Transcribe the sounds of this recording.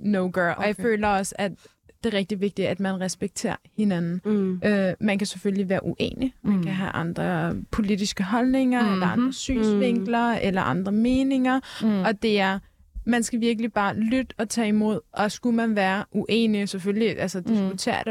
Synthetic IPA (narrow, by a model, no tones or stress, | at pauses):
noʊɡ̥øɒ̽jaɪføːlɐɒ̽səæd | d̥e̝ʁɛɡ̥̚d̥iʋe̝ɡ̥̚d̥iæd̥mænʁɛsb̥eɡ̥̚t͡sʰe̝̰ːɐ̰he̝nænn̩ʔømænkʰæsefølliʋæːɐʔuʔḛːnimænkʰæɦæʔɑ̈nd̥ʁɐpʰo̝lidisɡ̥əɦɒ̽lne̝ŋɐelɐɑ̈nd̥ʁɐsy̰ːnsʋe̝ŋ̰ɡ̥lɐelɐʔɑ̈nd̥ʁɐme̝ːne̝ŋɐɒ̽d̥e̝æɐ | mænsɡ̥æʋiɐɡ̥əlib̥ɑ̈ːlyd̥ɒ̽t͡sʰɛ̰ːimo̝ð̰ˠʔɒ̽sɡ̥umænʋæːɐʔuʔḛːnisefølliʔælsɐd̥isɡ̥ut͡sʰe̝̰ːɐ̰ɾ̥ə